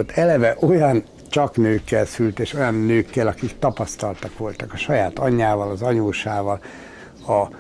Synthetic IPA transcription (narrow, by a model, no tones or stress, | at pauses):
t̪ɛlɛvɛʔo̞jɒn | t͡ʃɒknøːkːɛlsylt̪eːʃo̞jɒnːøːkːɛlɒkikt̪ɒpɒst̪ɒlt̪ɒkʋo̞lt̪ɒkɒʃɒjaːt̪ɒɲːaːvɒlɒzɒɲoːʃaːvɒl | ɒ